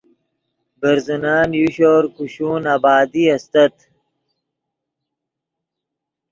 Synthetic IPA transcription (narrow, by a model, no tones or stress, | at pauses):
bɐɾzunaːnjuɕoːɾkuɕuːnaːbaːd̪iɐst̪ɐt̪